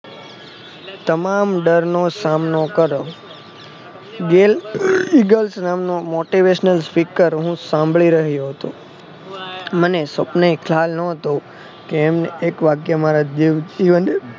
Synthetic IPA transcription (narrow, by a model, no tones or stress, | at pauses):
t̪əmamɖəɾnosamnokəɾo | ɡeliɡəlsnamnomoʈiʋeʃnəlspikəɾɦũsãmbʱɭiɾəɦjoɦət̪õ | mənesəpnaikʰlalnəɦət̪o | keːmneekʋaɡjəmaɾad̪iʋd͡ʒiʋəne